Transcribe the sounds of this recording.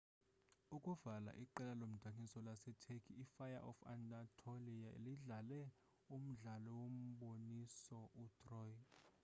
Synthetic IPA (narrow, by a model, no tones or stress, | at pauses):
ukʼuvala̰ʔiǃɛlalom̩d̥ʱaŋisɔlasɛtʰekʰiːfajaʔɔ̰fa̰ndʼatʰoliaḛliɮalɛ | um̩ɮalɔwom̩ɓonisɔʔutʰʼrɔj